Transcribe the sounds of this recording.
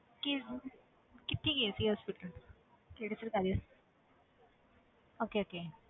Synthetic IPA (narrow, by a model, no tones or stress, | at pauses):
ki | kit̪ʰːiːket͡siɦɔspiʈəl | keɽesəɾkad̪is | okeoke